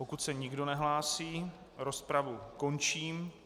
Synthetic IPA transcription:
po̞kut̪sɛɲɪɡdo̞nɛɦlaːsiː | ɾo̞spɾavuko̞nt͡ʃiːm

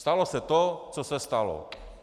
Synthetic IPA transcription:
st̪alɔsɛt̪ɔt͡sɔsɛst̪alɔ̰

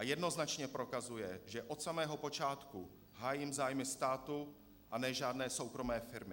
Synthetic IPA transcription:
ʔajɛdno̞znat͡ʃɲɛpɾo̞kazujɛʒɛʔo̞t̪samɛːɦo̞po̞t͡ʃaːt̪ku | ɦaːjimzaːjmɪst̪aːt̪u | ʔanɛʒaːdnɛːso̞wkɾo̞mɛːfɪɾmɪ

